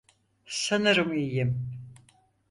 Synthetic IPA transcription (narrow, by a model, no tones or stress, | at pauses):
sanɯɾɯmijim